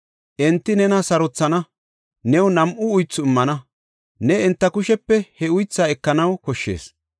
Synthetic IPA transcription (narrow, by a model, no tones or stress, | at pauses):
ʔɛnt̪ːɪnɛnɐsɐɾɔt͡sːɐnɐ | nɛwnɐmʔʊʊjt͡sːʊɪmːɐnɐ | nɛɪnt̪ːɐkʊʃɛpːɛhɛʊjt͡sːaːɛkːɐnɐwkɔʃːḛːs